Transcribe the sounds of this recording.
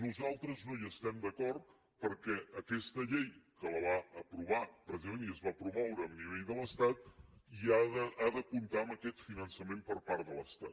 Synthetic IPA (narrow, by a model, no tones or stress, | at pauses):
nuzalˠt̪ɾəznojəst̪ɛmd̪əkɔrt̪̚ | pəɾkɛəkɛst̪əʎejkələβaəpɾuβ̞apɾəizəmeniəzβapɾumɔwɾəːmniβeʎðələst̪at̪̚iaðəaðəpunt̪aəməkɛt̪finənsəmempəɾpaɾt̪dələst̪at̪